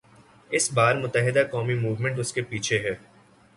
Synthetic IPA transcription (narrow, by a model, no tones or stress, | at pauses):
ɪsbaːɾmʊt̪əɦɪd̪akɔːmimuːʋmə̃ɳʈ̬ʊskepiːt͡ʃʰeɦɛː